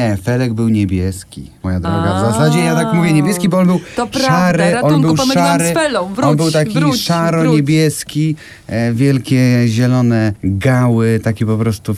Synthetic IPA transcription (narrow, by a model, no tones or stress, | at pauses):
ɛfɛlɛɡ̚bɘwɲɛbʲjɛskʲḭmɔjad̪ɾɔɡazasad͡ʑɛjat̪akmuvʲjɛɲebʲjɛskʲibɔɔnbɘw̪ʂaɾɪʔɔnbɘwʂaɾɪlɔnbɘwt̪akʲiʂaɾɔɲebʲjɛskʲi | vʲjɛlkʲɛʑɛlɔnɛɡawɘt̪akʲɛpɔpɾɔst̪u